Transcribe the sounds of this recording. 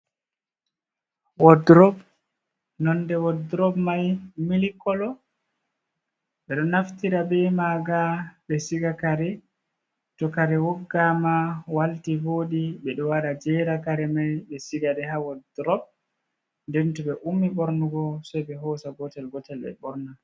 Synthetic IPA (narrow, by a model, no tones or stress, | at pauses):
wɔdɾɔb | nɔndɛwɔdɾɔbmajmilikɔlɔ | ɓɛɗɔnaftiɾabɛmaɡaɓɛsiɡakaɾɛ | tɔkaɾɛwɔɡːamawaltivoːɗiɓɛɗɔwaɗad͡ʒɛɾakaɾɛmajɓɛsiɡaɗɛɦawɔdɾɔb̚ | ndɛntuɓɛʔumːiɓɔɾnuɡɔsɔjɓɛɦɔsaɡɔtɛlɡɔtɛlɓɛ̰ɓɔɾna